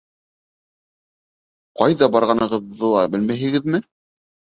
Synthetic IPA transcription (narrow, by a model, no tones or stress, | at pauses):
qɑjðɑbɑɾʁɑnɤ̆ʁɤ̆ðːɤlˠɑbɘlmæɦɘ̆ɡɘ̆ðmɘ